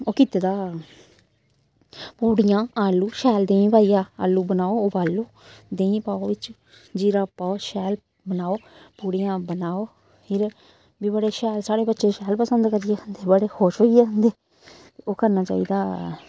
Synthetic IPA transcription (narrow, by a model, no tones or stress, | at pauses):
oːkɪt̪eːd̪aː | puːɽɪjãːaːlːuːʃɛːld̪eːĩːpaːiːaːa̰ːlːuːbənaːoːbaːlːoːd̪ẽːĩːpaːoːʋɪt͡ʃ | d͡ʒiːɾaːpaːoʃɛːl | bənaːoːpuːɽijãːbənaːoː | hʰɪɾ | biːbəɽeːʃɛːlsaːɽeːbətːʃeːʃɛːlpəsənd̪kəɾɪjeːənd̪eːbəɽeːhoːʃɦoːijeːənd̪eː | t̪eoːkəɾnaːt͡ʃa̰ːḭːd̪aː